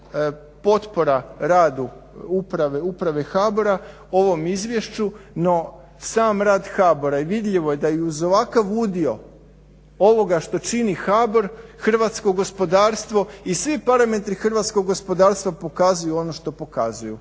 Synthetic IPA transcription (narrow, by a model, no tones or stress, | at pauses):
po̞t̪po̞ɾaɾaːd̪uupɾaʋeupɾaʋe̞xaːboɾa | o̞ʋo̞mizʋʲje̞ʃt͡ʃuno̞ | saːmɾaːd̪xaːbo̞ɾaiʋid̪ʎʲiʋo̞je̞d̪aiuzo̞ʋakaʋud̪io̞ | oʋo̞ɡaʃt̪o̞t͡ʃinixaːbo̞ɾxr̩ʋat̪skoɡo̞spo̞d̪aːɾst̪ʋo̞isʋipaɾame̞t̪ɾixr̩ʋaːt̪skoɡɡo̞spo̞d̪aːɾst̪ʋapo̞kazujuo̞noʃt̪o̞po̞kazujṵ